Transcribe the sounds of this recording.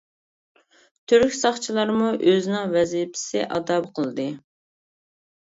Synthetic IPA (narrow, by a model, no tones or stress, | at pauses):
t̪ʰyɾkʲsɑχt͡ʃʰilˠɑɾmuʔøzɪnɪŋvɛzijɪpʰɪ̥sɪʔɑd̪ɑbqʰəlˠɨd̪ɨ